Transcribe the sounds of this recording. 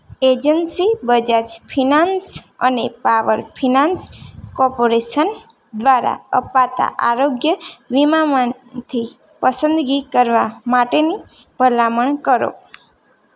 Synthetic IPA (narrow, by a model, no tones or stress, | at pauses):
ed͡ʒənsibəd͡ʒat͡ʃpʰinansənepaʋəɾpʰinanskɔɾpoɾeʃən | d̪ʋaɾa̰əpat̪a̰ʔaɾoɡjəʋimaman | t̪ʰi | pəsə̃nd̪ɡikəɾʋamaʈeni | b̥ʱəlaməɳkəɾo̰